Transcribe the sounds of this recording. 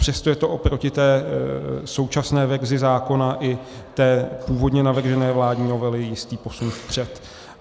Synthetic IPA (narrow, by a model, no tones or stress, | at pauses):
pr̝̥ɛst̪ojɛt̪o̞ʔopɾo̞cɪt̪ɛː | so̞wt͡ʃasnɛːvɛrzɪzaːko̞naʔɪ | t̪ɛːpuːvo̞dɲɛnavr̩ʒɛnɛːvlaːdɲiːno̞vɛlɪjɪst̪iːpo̞sunfpr̝̥ɛt̪